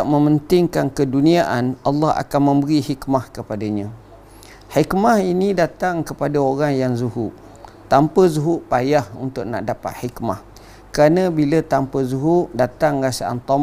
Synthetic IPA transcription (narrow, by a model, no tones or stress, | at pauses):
aʔmə̃mənt̪ɪŋkankəduniaʔanʔalːɑha̰kanmə̃mbəɾihikmahkəpadaɲã | hikmahinĩdat̪aŋkəpadaoɾaŋjaŋzuɦuʔ | t̪ampəzuɦuʔpajahunt̪ʊk̚na̰ʔdapa̰t̪̚hikma̰h | kəɾanãbilat̪ampəzuɦuʔdat̪aŋɾasaʔa̰nt̪ɔ